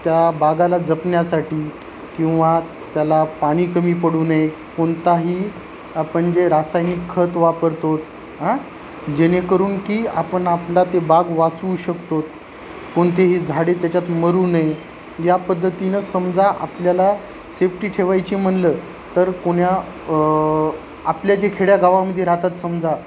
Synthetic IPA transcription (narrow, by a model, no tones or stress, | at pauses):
t̪jabaɡalad͡zəpnjasaʈiː | kĩw̃ʋa | t̪jalapaɽ̃iːkəmiːpəɽuːnaje | koɳt̪aɦiː | apəɳd͡ʑeɾasajnikʰːət̪ʋapəɾt̪ot̪ | ɦã | d͡ʑenekəɾuːnkiːapəɳaplat̪ebaɡʋat͡suːɕəkt̪ot̪̚ | koɳt̪eɦiːd͡zʱaɽet̪jat͡ɕat̪məɾuːnaj | japəd̪ʱːət̪inəsəmd͡zaʔa̰pljala | sefʈiːʈʰeʋajt͡ɕiːm̤əɳləː | t̪əɾkoɳja | apljad͡ʑekʰeɽjaɡaʋaməd̪ʱːjeɾat̪at̪səmd͡za